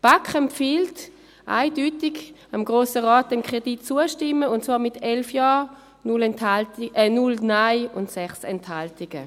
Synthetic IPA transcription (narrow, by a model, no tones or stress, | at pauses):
b̥akχɛmpfiːlt | ʔa̰ɪdytɪɡamɡʁoːsəʁaːt̚d̥ɛmkʁ̥editt͡suəʃtɪmːəʊntt͡svaːɐmɪtʰɛlfjɑː | nʊlthalɛnʊlnaɪʊntsɛχsɛnthaltɪɡ̥ə̰